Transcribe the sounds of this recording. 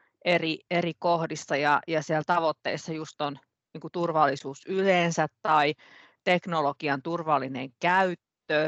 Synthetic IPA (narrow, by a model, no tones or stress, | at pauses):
ʔerierikohdisːɑjɑjɑsiælt̪ɑʋot̪ːeisːɑjust̪on | niːŋkut̪urʋɑlːisuːsyleːnsæt̪tɑi | t̪eknolokiɑnt̪urʋɑlːinḛŋkæyt̪ːø